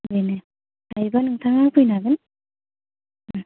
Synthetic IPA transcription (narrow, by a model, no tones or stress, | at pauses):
bɯjne | ajbanɯŋt̪ʰaŋapʰɯjnaɡɯn